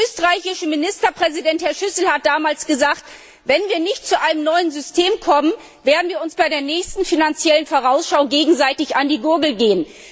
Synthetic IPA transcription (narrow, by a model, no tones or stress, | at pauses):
ʔøːstəʁaɪçɪʃəmɪnɪstɐpʁ̥ɛzidɛnthɛɐʃʏsl̩hat̚d̥aːmaːlsɡ̥əzaːkt | vɛnviːɐnɪçtt͡suʔaɪnəmnɔʏənzʏstʰeːmkʰɔmən | veːɐdn̩viːɐʊnsb̥aɪɾeːɐnɛːçstn̩finant͡sjɛlənfoːʁaʊsʃaʊɡeːɡŋ̩zaɪtɪçandiːɡʊɐɡl̩ɡeːən